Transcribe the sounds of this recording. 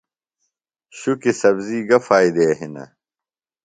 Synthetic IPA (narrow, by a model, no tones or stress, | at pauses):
ɕukisɐbziːɡɐfaːid̪eːɦinɐ̰